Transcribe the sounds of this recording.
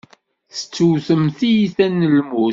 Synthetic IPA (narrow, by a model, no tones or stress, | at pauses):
θə̥t͡sːuwθəmθijiθænːəlmu